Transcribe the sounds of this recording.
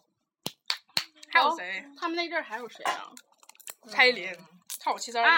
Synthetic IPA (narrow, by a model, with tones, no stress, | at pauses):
xa˧˥ɪjo˧˥e˧˥ɪt̪ʰa˥mə˨ne˥˧ɻə˥˩xa˧˥ɪjo˨˩ʊʂe˧˥ɪlɐ̰˧ | t͡sʰa˥ɪli˧˥n | kʰt͡ɕʰi˥s̬ɑ˥